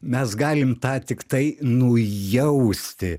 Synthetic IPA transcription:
mʲɛsɡɑːlʲɪmt̪ɑːt̪ʲɪkt̪ɐɪnʊjɛʊsʲt̪ʲɪ

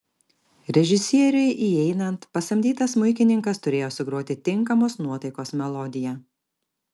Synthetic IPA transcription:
ɾʲɛʒʲɪsʲiɛɾʲʊɪʔiɛɪnɐnt̪pɐst̪ɐmʲd̪ʲiːt̪ɐsmʊɪkʲɪnʲɪŋkɐst̪ʊɾʲeːjoːsʊɡɾoːt̪ʲɪt̪ʲɪŋˑkɐmoːsnuɔt̪ɐɪkoːsmʲɛlˠɔd̪ʲɪjɛ

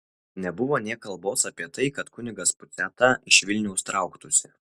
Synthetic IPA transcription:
nʲɛbʊʋoːnʲiɛkɐlˠboːsɐpʲiɛt̪ɐɪkɐt̪kʊnʲɪɡɐspʊt̪sʲæːt̪ɐɪʃʋʲɪlʲnʲɛʊst̪ɾɑˑʊkt̪ʊsʲɪ

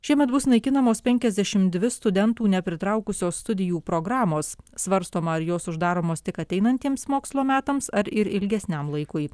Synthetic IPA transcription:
ʃʲiɛmʲɛt̪bʊsnɐɪkʲɪnɐmoːspʲɛŋʲkʲɛzʲd̪ʲɛʃʲɪmd̪ʲʋʲɪst̪ʊd̪ʲɛnt̪uːnʲɛpʲɾʲɪt̪ɾɐʊkʊsʲoːsst̪ʊd̪ʲɪjuːpɾoːɡɾɑːmoːsːʋɐɾst̪oːmɐɐɾjoːsʊʒd̪ɑːɾoːmoːst̪ʲɪkɐt̪ʲɛɪnɐnʲt̪ʲiɛmsmoːkslˠoːmʲæːt̪ɐmsɐɾɪɾɪlʲɡʲɛsʲnʲɛmlˠɐɪkʊɪ

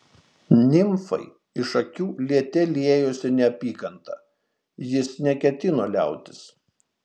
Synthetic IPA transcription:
nʲɪmfɐ̰ɪ | ɪʃɐkʲuːlʲiɛt̪ʲɛlʲeːjoːsʲɪnʲɛɐpʲiːkɐnt̪ɐ̰ | jɪsnʲɛkʲɛt̪ʲɪnoːlʲæˑʊt̪ʲɪ̥s

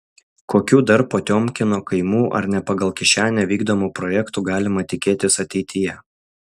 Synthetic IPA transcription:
koːkʲuːd̪ɐɾpoːt̪ʲoːmʲkʲɪnoːkɐɪmuːʔɐ̰ɾnʲɛpɐɡɐlˠkʲɪʃʲæːnʲɛʋʲiːɡd̪oːmuːpɾɔːjɛkt̪uːɡɑːlʲɪmɐt̪ʲɪkʲeːt̪ʲɪsɐt̪ʲɛɪt̪ʰʲɪjɛ

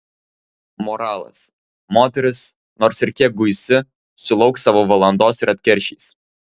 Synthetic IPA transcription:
moɾɑːlˠɐ̰s | moːt̪ʲɛɾʲɪs | noːɾsɪɾkʲiɛk̚ɡʊjsʲɪ | sʊlˠɒʊksɑːʋoːʋɐlˠɐnd̪oːsɪɾɐt̪ʲkʲɛɾʲʃʲḭːs

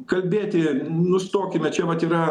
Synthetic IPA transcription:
kɐlʲbʲeːt̪ʲɪnʊst̪oːkʲɪmʲɛt͡ʃʲɛʋɐt̪iːɾɐ

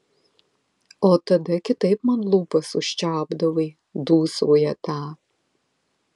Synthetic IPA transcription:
oːt̪ɐdɐkʲɪt̪ɐɪpmɐnlˠuːpɐsʊʃʲt͡ʃaːbd̪ɐwɐj | duːsoːjɛtʰaː

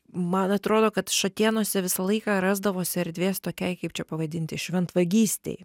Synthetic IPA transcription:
mɐnɐt̪ɾoːd̪oːkɐt̪ʃɐt̪ʲiːnuɔsʲɛʋʲɪsɐlˠɐɪkɑːɾɑːzd̪ɐʋoːsʲɪɐɾʲd̪ʲʋʲeːst̪oːkʲɛɪkɐɪpt͡ʃʲɛpɐʋɐd̪ʲɪnʲt̪ʲɪʃʲʋʲɛnt̪ʋɐɡʲiːsʲt̪ʲɛ̰ɪ

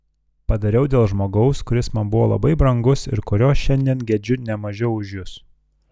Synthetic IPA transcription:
pɐd̪ɐɾʲɛʊd̪ʲeːlˠʒmoːɡɐʊskʊɾʲɪsmɐmbʊʋoːlˠɐ̰bɐɪbɾɐŋɡʊsɪ̰ɾkʊɾʲoːsʃʲɛnʲd̪ʲiːnɡʲɛd͡ʒʲʊnʲɛmɐʒʲɛʊʊʒʲjʊs

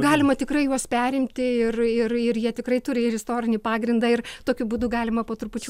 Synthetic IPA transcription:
ɡɑːlʲɪmɐt̪ʲɪkrɐɪjuɔspʲæːɾʲɪmʲt̪ʲɪɪrɪrɪrjiɛt̪ʲɪkrɐɪt̪ʊɾʲɪɪɾʲɪst̪oːɾʲɪnʲɪpɑːɡɾʲɪnd̪ɐɪrt̪oːkʲʊbuːd̪ʊɡɑːlʲɪmɐpoːt̪ɾʊpʊt͡ʃʲu

